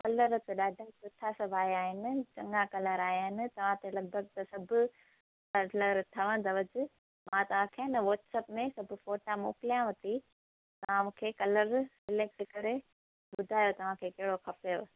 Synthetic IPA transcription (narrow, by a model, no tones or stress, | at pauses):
kɐləɾt̪eɗaːɖʱasʊʈʰːasɐbʱaːiaːɦɪnɪ̆t͡ɕɐ̃ŋɡakɐləɾaːɦɦɪnɪ̆t̪ɐʋ̤ãt̪elɐɡ̚bʱəɡt̪ɐsɐbʱʊ̆ | kɐləɾt̪ʰɐʋə̃nd̪ɐʋɐd͡ʑɪ | mãt̪ɐʋ̤ãkʰeːnɐʋɔːʈsɐpmẽsɐbʱʊfoːʈamo̰ːkɪlijãʋɐt̪i | t̪ɐʋ̤ãmũːkʰeːkɐləɾsɪlek̚sɪkɐɾe | ɓʊd̪ʱaːjot̪ɐʋ̤ãkʰekɐɦɪɽokʰɐpejo